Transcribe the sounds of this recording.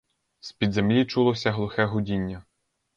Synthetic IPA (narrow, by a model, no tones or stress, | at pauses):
spʲid̪zemlʲit͡ʃulˠɔsʲɐɦlˠʊxɛɦʊdʲinʲːɐ